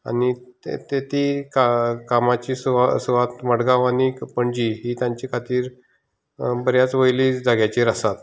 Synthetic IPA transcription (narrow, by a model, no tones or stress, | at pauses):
a̰nit̪ḛt̪et̪ikakamat͡ɕiːsʋasuʋat̪məɽɡaʋanipəɳd͡ʑiɦiːt̪jãɲt͡ɕikʰat̪iːɾ | bəɾjat͡sʋəjliːd͡zaɡjat͡ɕiɾəsat̪